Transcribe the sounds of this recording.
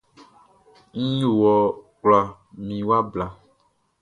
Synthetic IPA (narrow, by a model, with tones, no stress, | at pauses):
ŋ̩˦ju˦˨wɔ˨k͡pla˨ | mĩ˨wa˦bla˨